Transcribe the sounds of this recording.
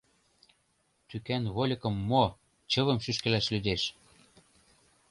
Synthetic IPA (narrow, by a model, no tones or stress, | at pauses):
t̪ykænβolʲɤ̆kɤ̆mːo | t͡ɕɤ̆βɤ̆mʃyʃkɘ̆læʃlyd̪eʃ